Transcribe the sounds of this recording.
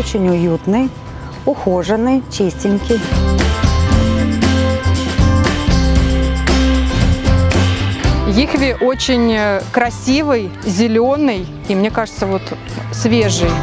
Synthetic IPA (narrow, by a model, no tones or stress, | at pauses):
ot͡ɕɪnʲʊjut̪nɨj | ʊxoʐənɨjt͡ɕesʲtʲɪnʲkʲɪj | jixvʲɪʔo̞t͡ɕɪnʲkɾɐsʲivɨj | zʲɪlʲonɨj | imnʲekaʐɨt̪səvo̞t̪ | svʲeʐɨj